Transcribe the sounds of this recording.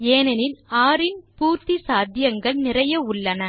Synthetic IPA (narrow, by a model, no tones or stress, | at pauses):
eːnɐnɪnaːɾɪnpuːɾt̪isaːd̪ʱjɐŋɡɐɭnɪrɐjɐʊɭːɐnɐ